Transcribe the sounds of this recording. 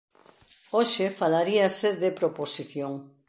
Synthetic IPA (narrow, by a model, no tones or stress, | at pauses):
oʃefalaɾiaseðepɾoposiθjoŋ